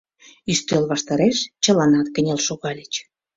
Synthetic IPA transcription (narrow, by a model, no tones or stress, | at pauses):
yʃt̪ølβɑʃt̪ɑɾeʃt͡ɕə̆lɑnɑt̪kə̆nʲelʃoɣɑlʲet͡ɕ